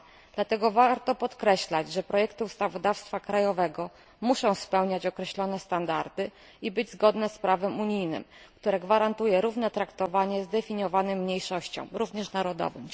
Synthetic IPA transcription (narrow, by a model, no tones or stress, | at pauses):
d̪̥lat̪ɛɡɔvaɾt̪ɔpɔt̪kɾɛɕlad͡ʑʐɛpɾɔjɛkt̪ɘust̪avɔd̪afst̪fakɾajɔvɛɡɔ | muʂɔ̃w̃spɛwɲat͡ɕɔkɾɛɕlɔnɛst̪and̪aɾd̪ɘ | ibɘd͡ʑzɡɔd̪nɛspɾavɛmuɲijnɘ̰mkt̪uɾɛɡvaɾant̪ujɛɾuvn̪ɛt̪ɾakt̪ɔvaɲɛzd̪ɛfʲiɲjɔvanɛmːɲejʂɔɕt͡ɕɔ̰̃w̃ɾuvɲɛʂnaɾɔd̪ɔ̰vɘ̰m